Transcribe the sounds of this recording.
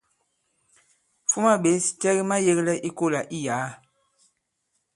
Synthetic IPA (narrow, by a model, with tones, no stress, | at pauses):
fu˦ma˦ɓe˨˦si˨tɛ˦ɣi˦ma˦je˦ɣlɛ˦ʔi˦ko˦la˨ʔi˦ja˨˦